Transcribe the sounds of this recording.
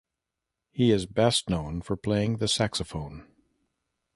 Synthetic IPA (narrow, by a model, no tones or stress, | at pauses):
hiɪzbɛstⁿnõʊ̃nfə˞pʰl̥eɪɪ̃ŋðɨsæksəfõʊ̃n